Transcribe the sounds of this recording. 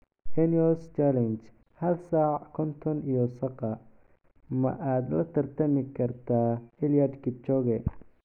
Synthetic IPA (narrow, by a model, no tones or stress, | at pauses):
ʔɛniɔlst͡ʃalɛnt͡ʃ | hɐlsaːʕkʰɔnt̪ʰɔnijɔsɐqɑ | mɐ̰ʔaːd̪lɐt̪ʰɐrt̪ʰɐmɪkʰɐrt̪ʰaːhɪljadkɪt͡ʃɔɣɛ